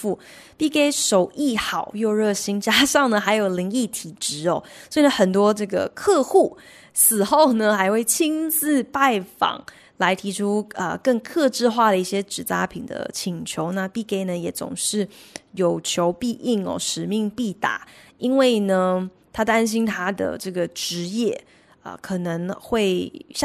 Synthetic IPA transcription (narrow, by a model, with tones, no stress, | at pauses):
fu˥˩ | pi˥˩ke˥ɪʂo˨˩ʊʔi˥˩xɑ˨˩˦ʊjo˥˧ɻɤ˥˩ɕi˥nt͡ɕja˥ʂɑ˥˩ŋnə˩xa˧˥ɪjo˨˩ʊli˧˥ŋi˥˩t̪ʰi˨˩ʈ͡ʂɻ̩˧˥ɔ˥˧swɔ˧˥i˨˩nə˦xə˨˩nt̪̬wɔ˥ʈ͡ʂɤ˥˩ɡə̰˩kʰɤ˥˧xu˥˩ | sɹ̩˨˩xo˥˩ʊnə˨˩xa˧˥ɪxwe˥˩ɪt͡ɕʰi˥nt͡sɹ̩˥˧pa˥˩ɪfɑ̰˨˩˦ŋ | la˧˥ɪt̪ʰi˧˥ʈ͡ʂʰu˥ə̰˧kə˥˧ŋkʰɤ˥˧ʈ͡ʂɻ̩˥˧xwa˥˩d̪ə˩i˥˩ɕjɛ˥ʈ͡ʂɻ̩˨˩t͡sa̰˥pʰḭ˨˩ŋd̪ə̰˦t͡ɕʰi˨˥ŋt͡ɕʰjo˧˥ʊna˥˧pi˥˩ke˥˩ɪnə˨jɛ˨˩˦t͡sʊ̰˨˩ŋʂɻ̩˥˩jo˨˩ʊt͡ɕʰjo˧˥ʊpi˥˧ʔi˥˩ŋɔ̰˨˩ʂɻ̩˨˩mi˥˧ŋpi˥˩t̪a̰˨˩˦ʔi˥nwe˥˩ɪnə˩ | t̪ʰa˥t̪a˥nɕ̬i˥nt̪ʰa˥d̪ə̰˨˩ʈ͡ʂɤ˥˩ɡə˩ʈ͡ʂɻ̩˧˥jɛ˥˩ | ə̰˧kʰɤ˨˩nɤ˧˥ŋxwe˥˩ɪ